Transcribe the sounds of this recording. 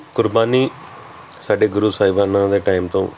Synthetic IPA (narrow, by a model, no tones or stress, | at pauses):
kʊɾbaːniː | saːɖeːɡʊɾuːsaːɪʋaːnãːd̪eːʈaːɪmt̪õ̰ː